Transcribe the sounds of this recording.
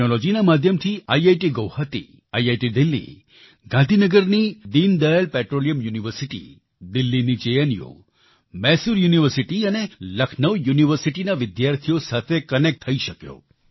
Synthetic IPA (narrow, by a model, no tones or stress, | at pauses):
nolod͡ʒinamad̪ʱjəmt̪ʰiaiajʈiɡəwhat̪ḭ | ajajʈid̪ɪlːḭ | ɡʱãnd̪ʱinəɡəɾnid̪ind̪əjəlpɛʈɾolijəmjuniʋəɾsiʈḭ | d̪ɪlːinid͡ʒejənijo̰ | mɛsuɾjuniʋəɾsiʈiəneləkʰnəʋjuniʋəɾsiʈinaʋɪd̪jaɾt̪ʰijosat̪ʰekənek̚ʈt̪ʰːəiʃəkjo̰